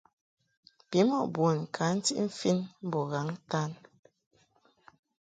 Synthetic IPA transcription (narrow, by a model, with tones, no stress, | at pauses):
pi˨˦mɔ˦˨ʔbwo˨n˨kʰa˨˦n̩˦tḭ˦ʔm̩˦fi˦nm̩˦bɔ˨ɣa˨˦ŋta˦n